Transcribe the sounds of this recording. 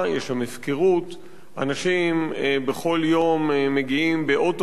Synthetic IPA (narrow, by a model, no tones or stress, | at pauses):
jeʃamefkeʁut̪ | ʔanaʃimbeχo̞ljo̞mːeɡiimbeʔoto